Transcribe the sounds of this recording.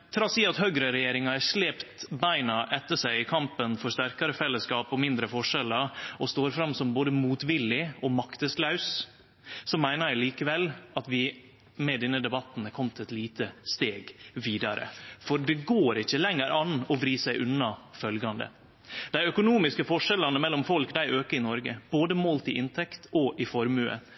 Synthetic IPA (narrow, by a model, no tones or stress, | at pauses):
t̪ʰɾɑsiːɑt̪hœɡɾəɾɛjeːɾɪŋɑæɾʂleːpt̪bæɪnɑʔɛt̪ːəʂæɪɪkʰɑmpənfɔʂt̪æɾkɑɾəfɛlːəskɑːpɔmɪnd̪ɾəfɔʂɛlːəɾɔst̪oːɾfɾɑmsɔmboːd̪əmuːt̪ʋɪlːɪɔmɑkt̪əslɑʉs | sɔmːæɪnəɾæɪliːkəʋɛlɑt̪ʋɪ | mɛd̪ɛnːəd̪ɛbɑt̪n̩kʰɔmt̪ʰɛt̪liːt̪ʰəst̪eːɡʋiːd̪ɑɾə̰fɔɾɖɛɡoːɾɪçːəlɛŋːəɾʔɑnɔʋɾiːsæɪʔʉnːɑfœlɡɑnd̪ə̰ | d̪̥æɪœkʊnuːmɪskəfɔʂɛlɑnəmɛlːɔmfɔlkd̪æɪʔøːkəɪnɔɾɡə̰b̥oːd̪əmoːlt̪ɪʔɪnt̪ʰɛkt̪ɔʔɪfɔɾmʉə̰